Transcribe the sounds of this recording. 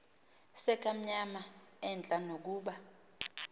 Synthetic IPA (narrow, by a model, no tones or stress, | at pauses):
sɛk̬ʼam̩ɲama | ɛnt͡ɬʼanok̬uːɓa